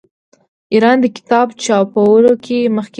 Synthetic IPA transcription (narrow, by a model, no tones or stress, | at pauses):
iɾɑnd̪əkɪ̥t̪ɑbt͡ʃɑpawəlokʰeməxk